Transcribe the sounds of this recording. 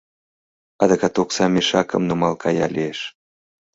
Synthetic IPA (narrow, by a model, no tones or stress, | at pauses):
ɑd̪əkɑt̪oksɑmʲeʃɑkə̰̆mnumɑlkʰɑjɑlieʃ